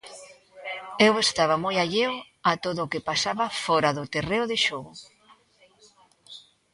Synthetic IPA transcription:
ewest̪aβamojaʎeʊ | at̪oðʊːkepasaβafɔɾaðʊt̪ereʊðeʃoɣʊ

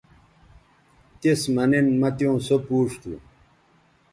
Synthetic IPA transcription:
t̪esmɐnenmɐt̪jõːsopuːʂt̪ṵ

